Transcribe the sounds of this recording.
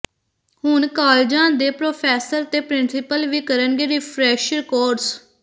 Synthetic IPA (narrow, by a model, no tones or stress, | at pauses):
hʊɳkaːld͡ʒãːnd̪eːpɾoːpʰɛːsəɾt̪eːpɾɪnsɪpəlʋiːkəɾənɡeːɾɪpʰɾɛːʃɾɪkoːɾɖs